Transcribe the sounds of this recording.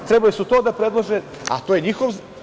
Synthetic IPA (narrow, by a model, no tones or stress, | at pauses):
t̪ɾebalisut̪oːd̪apɾed̪lˠaʒe | a̰t̪ojeɲixoʋ